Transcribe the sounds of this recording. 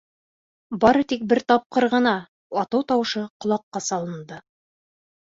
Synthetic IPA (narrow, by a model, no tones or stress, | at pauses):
bɑɾɤt̪ik̚bɘɾt̪ɑp̚qɤɾʁɤ̆nɑ | ɑt̪ɤwt̪ɑwɤ̆ʃɤqŏlˠɑqːɑsɑlˠɤ̆nd̪ɤ